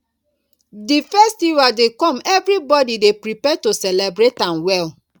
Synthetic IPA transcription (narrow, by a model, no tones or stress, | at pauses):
difɛstiɹadekɔ̃mɛvɾibɔdidepɾipɛtosɛlebɾetãnwɛl